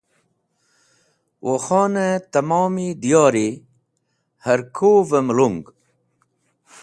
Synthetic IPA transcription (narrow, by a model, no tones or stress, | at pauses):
wʔoxɔːnet̪ɐmɔːmid̪ijɑːɾi | hɐɾkʰovemluŋɡ